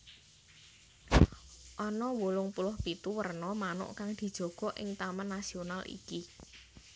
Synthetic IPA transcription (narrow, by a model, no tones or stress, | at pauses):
ʔɔnɔwulʊŋpulʊhpit̪uwərnɔmanʊ̰ʔkaŋd̪̥i̤d̥ʒ̥ɔ̤ɡ̥ɔ̤ʔɪ̰ŋt̪amanːasionalḭki